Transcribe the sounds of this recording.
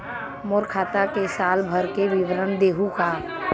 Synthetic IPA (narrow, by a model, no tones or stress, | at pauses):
moːɾkʰaːt̪akesaːlbʱəɾkeʋɪʋɾənd̪eːɦukaː